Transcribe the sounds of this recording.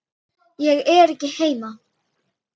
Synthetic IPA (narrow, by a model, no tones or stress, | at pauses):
jɛɣɛːɾɪcːɪhejma